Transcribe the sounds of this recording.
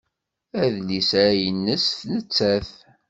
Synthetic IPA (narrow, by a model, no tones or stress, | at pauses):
æðlisɾæjənːəsθnət͡sːæθ